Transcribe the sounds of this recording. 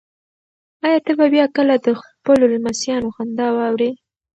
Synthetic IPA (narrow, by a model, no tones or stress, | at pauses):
ɑjɑt̪əbabjɑkəlad̪əxpəlolmasjɑnoxand̪ɑwɑwɾe